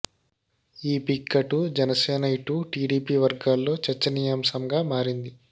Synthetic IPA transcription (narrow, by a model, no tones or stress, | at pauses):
iːpikːɐʈud͡ʒɛnɐseːnɐiʈuʈiːɖiːpiːʋɐɾɡaːlːo̞ːt͡ʃɐɾt͡ʃːɐnijaːmsɐmɡaːmaːɾind̪i